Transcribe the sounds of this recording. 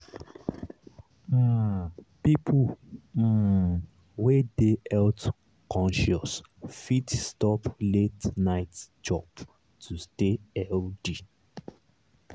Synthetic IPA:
pipʰum̩ | wedeʔɛlt | kɔ̃nʃɔs | fitstɔpletnaɪtd͡ʒɔp | tʰusteɛldi

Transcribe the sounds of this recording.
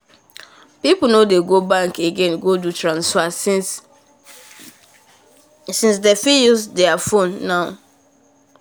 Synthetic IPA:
pipl̩nodeɡobãŋkeɡẽnɡodutɹãnsfa | sĩns̬defijusdɛafõnːaʊ

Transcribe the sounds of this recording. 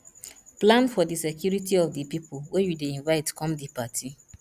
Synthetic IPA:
plãnfɔdisekʰjuɾitiɔfdipipʰolwejudeĩnvaɪtkʰɔ̃mdipatʰi

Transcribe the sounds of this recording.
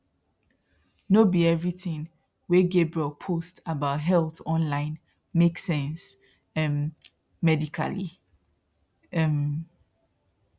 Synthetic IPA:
nobiɛvɹiθĩŋ | wɛɡebɹɛlˠpʰostabaʊtɦɛlˠtɔ̃nlãɪ̃n | meksɛ̃ns | ɛm | mɛdikʰa̰li | ɛm

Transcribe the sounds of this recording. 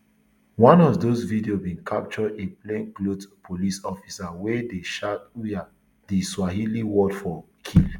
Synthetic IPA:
wãnɔvdosvidiobĩnkʰap̚t͡ʃɔdeplẽnklotpʰolisɔfisawedeʃatuja | d̥iswaɦiliwɔdfɔ | kʰil

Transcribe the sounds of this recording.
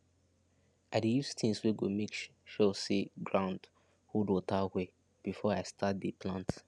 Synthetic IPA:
aɪdijustʰĩŋswiɡomikʃʃɔsiɡɹãʊ̃nd | hudotawe | b̥ifɔaɪstʰat̚dipʰlãnt

